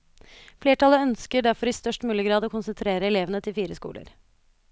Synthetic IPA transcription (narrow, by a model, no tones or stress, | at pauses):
fleːʈɑləœnskəɖæɾfɔɾɪst̪œʂʈmʉːlɪəɡɾɑːd̪oːkʊnsənt̪ʰɾeːɾəɛleːʋənət̪ʰɪlfiːɾəskṵːlə̰ɾ